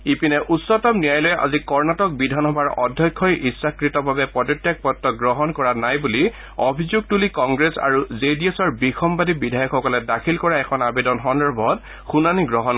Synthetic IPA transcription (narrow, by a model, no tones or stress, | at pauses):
ipinɛʔusɔtɔmnijajlɔjɛʔa̰zikɔɹnatɔk̚bidʱanɦɔbaɹɔdʱjɔkʰːɔjʔisːakɹitɔbʱabɛpɔdɔtːjak̚pɔtːɔɡɹɔɦɔnkɔɹanajbuli | ɔbʱizuɡ̚tulikɔŋɡɹesa̰ɹuzediesɔɹbixʰɔmbadibidʱajɔkxɔkɔlɛdakʰilkɔɹaɛkʰɔnabedɔnxɔndɔɹbʱɔt | xunaniɡɹɔɦɔn